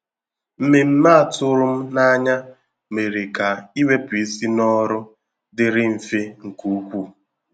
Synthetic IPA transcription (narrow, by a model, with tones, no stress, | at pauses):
m̩˦me˨m̩˦ma˦a˨tʊ˦ɾʊ˦m̩˦na˦ɲa˦ | me˨ɾe˨ka˨i˦we˦pʊ˨i˦si˦nɔ˦ɾʊ˦ | dɪ˨ɾɪ˦m̩˨fe˦ŋ̩˨ku˦kʷu˦˨